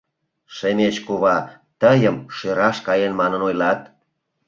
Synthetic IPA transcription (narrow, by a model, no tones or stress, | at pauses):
ʃemʲet͡ɕkuβɑ | t̪əjəmʃeɾɑʃkɑjenmɑnənojlɑt̪